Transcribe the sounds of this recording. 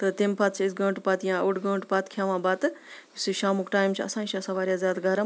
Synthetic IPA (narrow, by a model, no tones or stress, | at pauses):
t̪ɨt̪empat̪t͡ʃʰiisɡɐ̃ːɳʈpat̪jãːuʈɡɐ̃ːɳʈpat̪kʰjaːʋãːbaːt̪ɨsiʃaːmukʈaːjmt͡ʃʰiɐ̰sãːnt͡ʃʰiɐsɐʋaːɾʲjaːzʲaːd̪ɡɐɾɐm